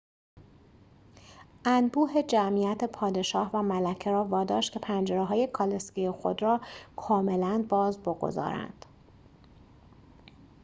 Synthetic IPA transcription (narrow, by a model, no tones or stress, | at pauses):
ʔænbuːɦe̞d͡ʒæmijæt̪ʰe̞pʰɒːd̪e̞ʃɒːhvæmælæcʰe̞ɾɒːvɒːd̪ɒːʃt̪kʰcʰe̞pʰænd͡ʒeɾeɦɒːje̞kʰɒlescijexo̞̰d̪rɒːkʰɒːme̞lænbɒːzboɡo̞̰zɒ̰ːɾæ̰nd̪̥